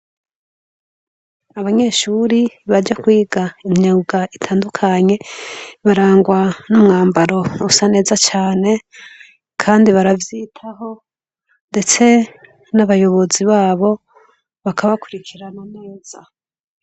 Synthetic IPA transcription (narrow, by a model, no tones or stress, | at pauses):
aβaɲe̞ːʃuɾiβaɾd͡ʒakwiːɡaimɲoɡaitʰaːndukʰaɲe̞βaɾaːŋɡwanumŋaːmbaɾo̞usane̞ːzat͡ʃaːne̞ | kʰaːndiβaɾavjiːtʰaho̞ | nde̞t͡se̞ | naβajo̞βo̞ziβaːβo̞ | βakʰaβakuɾikʰiɾananeːz̥a